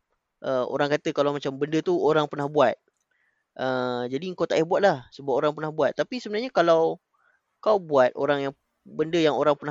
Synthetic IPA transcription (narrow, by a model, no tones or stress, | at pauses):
ʔəo̰ɾaŋkat̪əkalawmat͡ʃambəndət̪uoɾaŋpərnahbuat̪̚ | ʔəd͡ʒadiəŋkot̪aʔihbuat̪̚lahsəbap̚oɾaŋpənahbuat̪ːapisəbənarɲakalaw | kawbuat̪̚ʔoɾaŋjaŋ | bəndəjaŋoɾaŋpəna